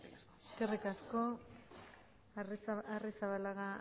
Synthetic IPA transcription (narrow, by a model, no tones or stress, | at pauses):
eskerikasko̞ | arisaβalaɣa